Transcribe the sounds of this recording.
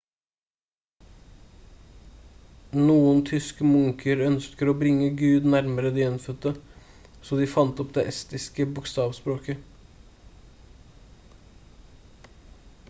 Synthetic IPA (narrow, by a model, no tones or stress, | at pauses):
nuːənt̪ʰʏskəmʊŋkʰəɾœnskəɾoːbɾɪŋːəɡʉːd̪næɾməɾəd̪iːɛnfœt̪ə | soːd̪iːfɑnt̪ɔpd̪eːʔɛst̪ɪskəbʊkst̪ɑːʋspɾoːkə